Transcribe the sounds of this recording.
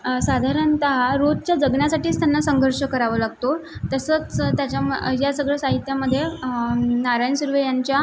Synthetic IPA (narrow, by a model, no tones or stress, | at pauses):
sad̪ʱaɾənt̪aɦaɾod̪t͡ɕjad͡zəɡɳasaʈiːt͡st̪janːasəŋɡʱəɾʂəkəɾaʋəlaɡ̚t̪ot̪əsət͡st̪jat͡ɕajasəɡɭəsaɦit̪jaməd̪ʱːje | naɾajnsuɾʋejaɲt͡ɕja